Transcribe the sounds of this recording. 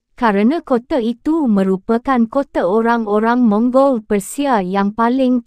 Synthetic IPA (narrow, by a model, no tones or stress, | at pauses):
kaɾanãkot̪ait̪umə̃ɾupakankot̪aoɾaŋoɾaŋmɔ̃ŋɡɔlpərsiajaŋpalɪŋ